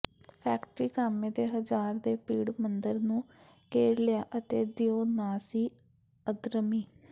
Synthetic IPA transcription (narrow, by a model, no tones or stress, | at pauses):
pʰɛːkʈɾiːkaːmẽːd̪eːɦəzaːɾd̪eːpiːɽmənd̪əɾnũː | keːɾlɪjaːʔət̪eːd̪ɪjoːnaːsiː | əd̪ɾəmiː